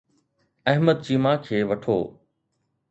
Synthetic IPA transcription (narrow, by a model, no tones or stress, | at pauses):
ɐɦməd̪̚t͡ɕiːmãːkʰeːʋɐʈʰo̰ː